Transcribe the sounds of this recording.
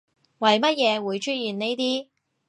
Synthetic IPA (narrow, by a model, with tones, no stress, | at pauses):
wɐ˨jmɐ˥t̚jɛː˨˧wuː˨˧jt͡ʃʰɵ˥t̚jiː˨˩nne˥jt̪iː˥